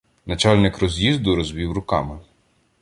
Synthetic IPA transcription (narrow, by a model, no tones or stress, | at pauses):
nɐt͡ʃɑlʲnɪkrɔzʲjizd̪ʊɾɔzʋʲiwrʊkɑ̰mɪ